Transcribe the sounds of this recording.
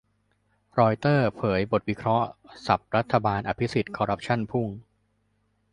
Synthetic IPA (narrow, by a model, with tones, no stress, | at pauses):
ɾɔː˧jt̪ɤː˥˩pʰɤː˩˦jbo˨˩t̪̚wi˦˥kʰɾɔ˦˥ʔsa˨˩p̚ɾa˦˥t̪ʰːa˧baː˧nʔa˧pʰi˦˥si˨˩t̪̚kʰɔː˧ɾa˦˥p̚t͡ɕʰa˥˩npʰu˥˩ŋ